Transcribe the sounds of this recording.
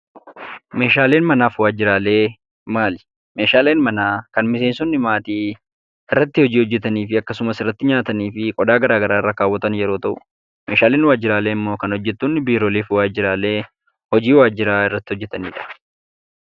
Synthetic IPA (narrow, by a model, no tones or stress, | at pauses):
me̞ːʃaːle̞ːnmɐnaːfwaːd͡ʒːɪɾaːle̞ː | maːlɪ̥ | me̞ːʃaːle̞ːnmɐnaːkɐnmɪs̬eːnsɔnːɪmaːt̪iː | ɪrːɐt̪ːɪhɔd͡ʒiːhɔd͡ʒːɛt̪ɐniːfɪɐkːɐsʊmɐsɪrːɐt̪ːɪɲaːt̪ɐniːfɪkʼɔd̪aːɡɐɾaːɡɐɾaːɪrːakaːwːɐt̪ɐnjɛɾo̞ːt̪ɐʔʊ | meːʃaːle̞ːnwaːd͡ʒːɪɾaːle̞ːɪmːo̞ːkɐnhɔd͡ʒːɛt̪ːuːnːɪbiːɾoːliːfwaːd͡ʒɪɾaːle̞ː | hɔd͡ʒiːwaːd͡ʒːɪɾaːɪrːɐt̪ːɪɔd͡ʒːɛt̪ɐniːᶑɐ̥